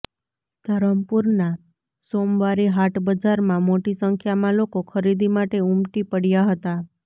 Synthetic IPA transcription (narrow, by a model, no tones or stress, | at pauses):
d̪̥ʱəɾəmpuɾna | somʋaɾiɦaʈbəd͡ʒaɾmãmoʈisəŋkʰjamãlokokʰəɾid̪ʱimaʈeumʈipəɽjaɦət̪a